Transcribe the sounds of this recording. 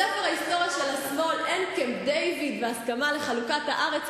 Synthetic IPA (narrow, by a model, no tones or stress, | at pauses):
efeʁaist̪o̞ʁjaʃelasmo̞lenkemd̪ejvid̪veaskamale̞χalukathaʔaʁet͡s